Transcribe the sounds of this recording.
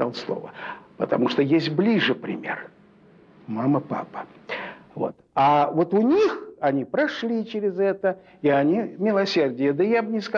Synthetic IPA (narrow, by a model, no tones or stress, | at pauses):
a̰lˠslˠo̞̰və̰pət̪ɐmuʂt̪ojesʲtʲblʲiʐɨpɾʲɪ̰mʲḛr | maməpa̰pə̥ | vo̞̰t̪avo̞t̪ʊnʲixɐnʲipɾɐʂlʲit͡ɕɪɾʲɪzɛt̪ə | iɐnʲimʲɪlˠɐsʲerdʲɪjəd̪əjabnʲɪsk